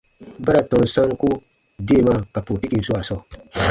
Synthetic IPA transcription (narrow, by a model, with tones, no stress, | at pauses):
ba˦ɾa˨tɔ̃˨n˨sã˦ŋ˦ku˦ | de˦˨ma˦˨ka˨po˨ti˦ki˨n̩˨su˦a˨sɔ˦˨